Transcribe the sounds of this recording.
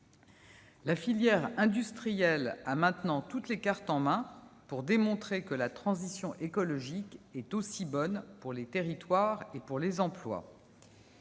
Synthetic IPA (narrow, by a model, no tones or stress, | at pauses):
lafiljɛʁɛ̃d̪yst̪χijɛlamɛ̃t̪nɑ̃t̪ut̪lekaʁt̪ɑ̃mɛ̃puʁd̪emɔ̃t̪χekəlat̪χɑ̃zisjɔ̃ʔekɔlɔʒikɛt̪osibɔnpuʁlet̪eʁit̪waʁepuʁlezɑ̃plwa̰